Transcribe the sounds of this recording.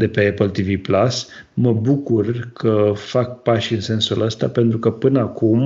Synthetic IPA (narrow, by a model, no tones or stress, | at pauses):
d̪e̞pe̞epəlt̪iviplas | məbukurkʰəfak̚paʃɨnse̞nsuləst̪a̰pe̞nt̪ɾukəpɨnəakum